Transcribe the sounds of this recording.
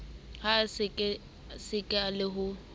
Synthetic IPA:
haskʼ | sɪkʼɪalɪɦʊ

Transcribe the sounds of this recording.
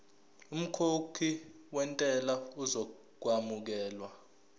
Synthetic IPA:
um̩kʰokʰi | wɛntʼɛlauzɔ | k̬wamuk̬ɛːlwa

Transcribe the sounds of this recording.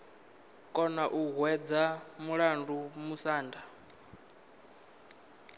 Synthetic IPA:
kʼɔnaʔuɣwɛd͡zamuɺandumusaːnda

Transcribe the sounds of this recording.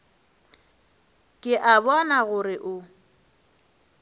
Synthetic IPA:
kʼɪʔabɔnaɣʊɾɪʔʊ

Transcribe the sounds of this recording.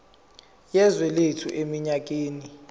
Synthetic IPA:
jɛzwɛletʰṵʔemiɲak̬ʼeːni

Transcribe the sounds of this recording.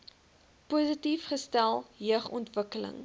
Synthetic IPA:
puːzətifχəstælˠɦiəχɔ̰ntvəkələ̰ŋ

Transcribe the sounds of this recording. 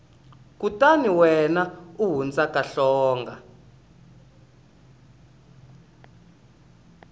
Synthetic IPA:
kutaniwɛnauɦund͡zakaɬɔːŋɡa

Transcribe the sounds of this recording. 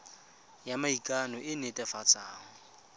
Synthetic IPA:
jamaikʼanɔʔɪnetʼɛfat͡sʼaːŋ̩

